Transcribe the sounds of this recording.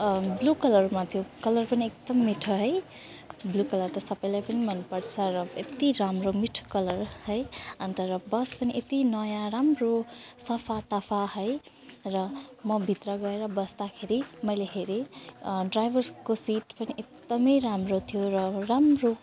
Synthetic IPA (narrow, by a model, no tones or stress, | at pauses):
blukʌlʌrmat̪ʰijokʌlʌrpʌniekd̪ʌmːiʈʰʌɦʌj | blukʌlʌrt̪ʌsʌpʌjlajpʌnimʌnpʌrt͡sʰʌɾʌet̪iɾamromiʈʰo̥kʌlʌrhʌjʌnt̪ʌɾʌbʌspʌniʔet̪inʌjãɾamrosʌpʰat̪ʌpʰaɦʌj | rʌmʌbʱit̪rʌɡʌeɾʌbʌsd̪akʰeɾimʌjleɦeɾiɖrajbʱʌrskosiʈpʌniʔek̚d̪ʌmʌjɾamrot̪ʰijoɾʌramro